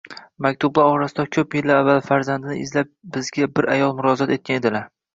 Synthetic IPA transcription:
mak̚ʲt̪ʰʊblaɾɒɾasɪd̪akʲʰɵpjelːaɾavːalfaɾzand̪nɪʔɪzlap̚bɪzɡʲabɪɾajɒlˠmʊɾɒzat̪e̞t̪̚kʰʲaned̪ɪlaɾ

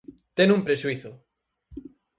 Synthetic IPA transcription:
t̪enũmpɾeʃuiθʊ

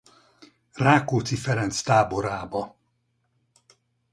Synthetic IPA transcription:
raːkoːt̪sifɛɾɛnt̪st̪aːboɾaːbɒ

